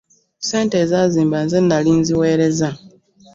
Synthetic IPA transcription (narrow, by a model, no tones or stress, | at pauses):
se̞ːnte̞ːzaziːmbanzenːalinziwe̞ːɾe̞za